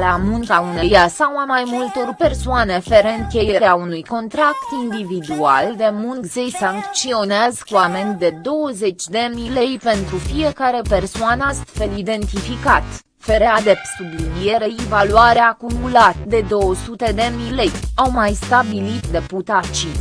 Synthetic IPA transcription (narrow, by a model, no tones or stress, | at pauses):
lamuŋkaunejasawamajmult̪o̞rpe̞rsoane̞feɾeŋkʲe̞jeɾeaunujko̞nt̪ɾakt̪ind̪ivid̪ua̰ld̪e̞muŋkzejsaŋkt͡ʃio̞neazkuame̞nʲt̪d̪e̞d̪o̞wəze̞t͡ʃʲd̪e̞mile̞jpe̞nt̪ɾufije̞kaɾe̞pe̞rsoanast̪fe̞lid̪e̞nt̪ifikat̪ | fe̞ɾead̪e̞sublid̪ieɾe̞ivaluaɾeakumulat̪d̪e̞d̪o̞wəsut̪e̞d̪e̞mile̞jawmajst̪abilit̪d̪e̞put̪at͡ʃi